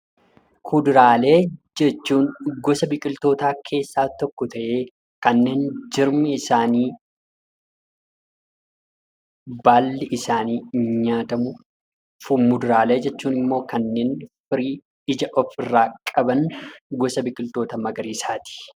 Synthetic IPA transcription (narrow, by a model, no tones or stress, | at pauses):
kʰʊd̪ɾaːle̞ːd͡ʒɛt͡ʃːuːnɡɔsɐbɪkʼɪlt̪o̞ːt̪aːkʰe̞ːsːaːt̪ɔkːɔt̪ɐʔe̞ː | kɐnːe̞ːnd͡ʒɪɾmɪɪsaːniː | baːlːɪʔɪsaːniːɲaːt̪ɐmʊ | fʊmːʊd̪ɾaːle̞ːd͡ʒɛt͡ʃːuːnɪmːo̞ːkɐnːe̞ːnfɪɾiː | ɪd͡ʒɐʔɔfɪrːaːkʼɐbɐnɡɔsɐbɪkʼɪlt̪o̞ːt̪ɐmɐɡɐɾiːsaːt̪i̥